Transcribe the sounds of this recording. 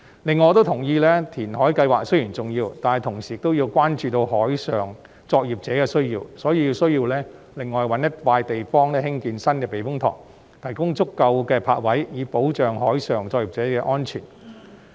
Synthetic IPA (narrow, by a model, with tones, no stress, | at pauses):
lɪ˨˩ŋːɔː˨˧t̪o˥wt̪ʰʊ˨˩ŋjiː˧lɛː˥t̪ʰiː˨˩nɦɔː˨˥jkɐ˧jwaː˨˩k̚sɵ˥ɥjiː˨˩nt͡sʊ˨ŋjiː˧wt̪aː˨nɐ˨˩jt̪ʰʊ˨˩ŋsiː˨˩ɪ˨kt̪o˥wjiː˧wkʷaː˥nt͡ʃyː˧t̪o˧wɦɔː˨˥jsœː˨˩ŋ | t͡sɔː˧k̚jiː˨˩p̚t͡sɛː˨˥kɛː˧sɵ˥ɥjiː˧wsɔː˨˥jiː˧ji˧wsɵ˥ɥjiː˧wlɛː˥ | lɪ˨ŋːɔː˨jwɐ˨˥njɐ˥t̚faː˧jt̪e˨jfɔː˥ŋlɛː˥hɪ˥ŋkiː˧nsɐ˥nkɛː˧pe˨˧jfʊ˥ŋt̪ʰɔ̰ː˨˩ŋ | t̪ʰɐ˨˩jkʊ˥ŋt͡sʊ˥kːɐ˧wkɛː˧pʰa̰ː˧t̚wɐ˨˥jjiː˨˧po˨˥wt͡ʃœː˨ŋɦɔː˨˥jsœː˨˩ŋt͡sɔː˧k̚jiː˨p̚t͡sɛː˨˥kɛː˧ʔɔː˥nt͡ʃʰy̰˨˩n